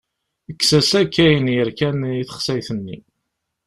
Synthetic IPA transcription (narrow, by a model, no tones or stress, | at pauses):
əkːsæsækːæjənjəɾkæniθə̥χsæjθənːḭ